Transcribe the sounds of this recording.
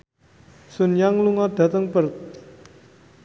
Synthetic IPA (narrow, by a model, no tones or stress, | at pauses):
sunjaŋluŋɔd̪̥ä̤t̪əŋpərt̪̚